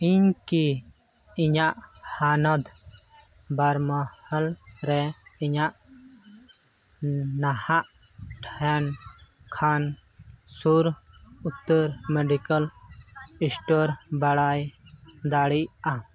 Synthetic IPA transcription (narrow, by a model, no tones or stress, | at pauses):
inki | iɲaʔhaːnɐd̪ | bɐɾmɐhɐlɾeiɲaʔ | nahaʔ | ʈʰen | kʰan | suɾut̪ːəɾmeɖikəl | isʈoːɾbɐɽaːjd̪aːɽia